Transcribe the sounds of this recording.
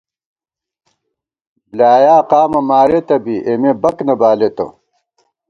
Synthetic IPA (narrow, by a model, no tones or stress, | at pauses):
blaːjaːqaːmɐmaːɾet̪ɐbiʔemebɐknɐbaːlet̪o̰